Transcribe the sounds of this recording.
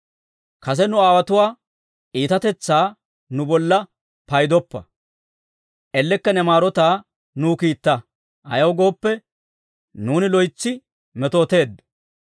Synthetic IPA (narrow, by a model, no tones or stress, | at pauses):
kɐs̬ɛnʊaːwɐt̪ʊwaː | ʔiːt̪ɐt̪ɛt͡sːaː | nʊbɔlːɐ | pɐjd̪ɔpːɐ̰ | ʔɛlːɛkːɐnɛmaːɾɔt̪aː | nuːkiːt̪ːɐ | ɐ̰jɐwɡo̞ːpːɛ | nuːnɪlɔjt͡sːɪ | mɛt̪oːt̪e̞ːd̪